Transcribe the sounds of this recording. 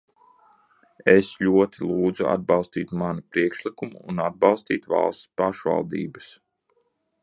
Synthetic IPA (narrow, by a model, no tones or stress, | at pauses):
eslʲuɔt̪ilˠuːd̪zua̰d̪̚bɑlˠst̪iːt̪manupɾiɛkʃlˠikumuːnad̪̚bɑlˠst̪ḭːt̪va̰lˠst̪spaʃva̰lˠd̪ḭːbas